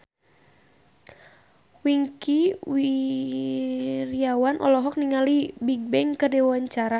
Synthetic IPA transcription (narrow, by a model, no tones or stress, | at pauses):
wiŋkiwi | ɾiawanʔɔ̰lɔɦɔk̚niŋalibiɡ̚bɛŋkədɛwaɲt͡ʃaɾa